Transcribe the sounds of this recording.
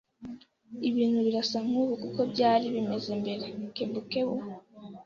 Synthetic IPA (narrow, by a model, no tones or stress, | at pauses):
iβiːn̥huβiɾasamhuβukuko̞bɟaːɾiβime̞ze̞mbe̞ɾe̞kebuke̞βu